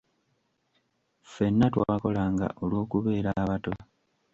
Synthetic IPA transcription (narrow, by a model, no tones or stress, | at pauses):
fe̞nːatwaako̞laːŋɡa̰ʔo̞lwo̞ːkuβe̞ːɾaβato̞